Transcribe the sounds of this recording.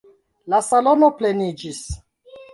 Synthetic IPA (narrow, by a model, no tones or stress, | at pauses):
lasalo̞noplenid͡ʒis